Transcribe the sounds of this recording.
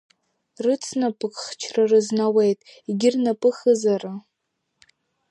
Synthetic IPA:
rɨt͡sʰnapʼɨkʼχt͡ʃʰrarɨznawejtʼiɡʲɪrnapʼɨχəzara

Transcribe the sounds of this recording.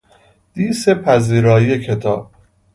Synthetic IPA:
d̪̥iːsepʰæziːɾɒːijekʰe̞t̪ʰɒ̰ːb̥̚

